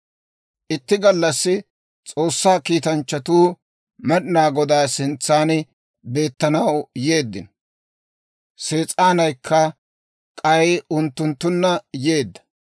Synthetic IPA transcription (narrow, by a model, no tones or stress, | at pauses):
ʔɪt̪ːɪɡɐlːɐsːɪ | t͡sʼo̞ːsːaːkiːt̪ɐnt͡ʃːɐt̪uː | mɛɗɪnaːɡɔd̪aːsɪnt͡sːaːn | be̞ːt̪ːɐnɐwje̞ːd̪ːɪ̰n | se̞ːt͡sʼaːnɐjkʰːɐ | kʼɐjʊnt̪ːʊnt̪ːʊnːɐjeːd̪ːɐ̥